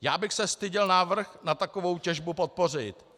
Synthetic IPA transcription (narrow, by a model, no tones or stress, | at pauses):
jaːbɪxsɛst̪ɪɟɪlnaːvr̩xnat̪akovo̞wcɛʒbupo̞t̪̚po̞rɪt̪